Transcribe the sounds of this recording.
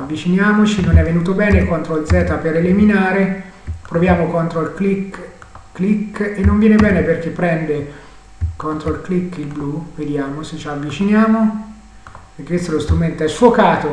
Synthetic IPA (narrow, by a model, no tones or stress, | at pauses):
avːit͡ʃinjaːmot͡ʃinːonɛvːenuːt̪obɛːnekont̪ɾoild̪zɛːt̪apeɾeliminaːɾe | pɾovjaːmokont̪ɾoilklik | kːlikːenːoɱvjɛnebɛːneperk̟epːɾɛnd̪e | kont̪ɾoilklikːilbluved̪jaːmoset͡ʃːavːit͡ʃinjaːmo | prkekest̪oɛlost̪ɾument̪oɛsfokaːt̪o